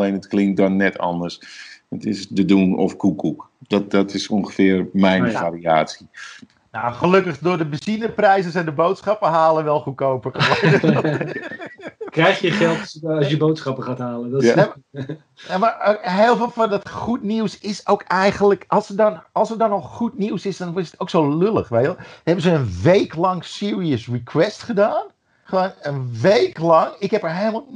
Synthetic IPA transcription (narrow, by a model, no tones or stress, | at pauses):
lejnətklɪŋt̚dɔnːɛtʰɔ̰ndərsətɪsdədunɔ̰fkukʰukdɔdɔtʰɪsoŋɣəfɪərmɛjnfaria̰ːsi | naχəløkəχdʊːrdəbəsinəprɛjsəsɛjndəbowtsχɑpəɦaːlˠənʋɛlˠxukowpəkəlajəɔ | krɛjxjəχɛlˠtːsjəbowtsχɑpəχaːtɦaːlədɔ | nmaɦeːlˠfeːlˠfɑndɑtχutniwsɪsowkɛjɣənləkʔɑlˠsədɔnɑlˠsərdɑnːɔχχutniwsɪsdɔnʋɪsətʰowksowlølə̰χʋeəhɛbənsəənʋejklɑŋsɪːɹiəsrikwɛstχədaːn | χəʋonənʋejklɑŋɪkɦɛpəɹɦejlˠəmalˠ